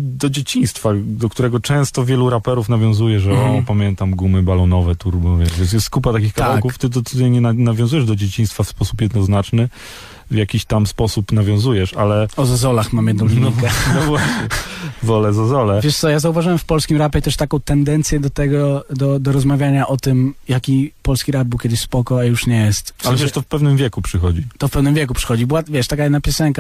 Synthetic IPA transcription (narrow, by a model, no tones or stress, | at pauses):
d̪ɔd͡ʑet͡ɕĩj̃st̪fad̪ɔkt̪uɾɛɡɔt͡ʂɛ̃w̃st̪ɔvʲjɛluɾapɛɾufnavʲjɔ̃w̃zujɛʐɛɔpamʲjɛnt̪amɡumɘbalɔnɔvɛt̪uɾbɔvʲjɛʂvʲjɛ̃ns̬jɛst̪kupat̪akʲixkavawkuft̪ɘd̪ɔɨd̪ɛɲɛnanavʲjɔ̃zujɛʐd̪ɔd͡ʑet͡ɕĩj̃st̪fafspɔsupjɛd̪nɔznat͡ʂnɘ | vjakʲiɕt̪amspɔsupnavʲjɔ̃w̃zujɛʂa̰lɛɔzazɔlaxmamjɛd̪nɔ̃w̃lʲniŋkɛnɔvwaɕɲɛvɔlɛzazɔlɛvʲjɛʂt̪sɔjazauvaʐɨwɛmfpɔlskʲimɾapʲɛit̪ɛʂt̪akɔ̃w̃t̪ɛnd̪ɛnt̪sʲjɛd̪ɔt̪ɛɡɔd̪ɔd̪ɔɾɔzmavʲjaɲaʔɔt̪ɘmjakʲipɔlskʲiɾad̪̚bɘwkʲɛd̪ɪɕʲspɔkɔajuʂɲɛjɛst̪alɛvɛt̪ɔfpɛvnɘmvʲjɛkupʂɘxɔd͡ʑit̪ɔfpɛvnɘmvʲjɛk̬upʂɘ̥xɔd͡ʑibɘwavʲjɛʂt̪ak̬ajɛd̪napʲjɔsɛŋka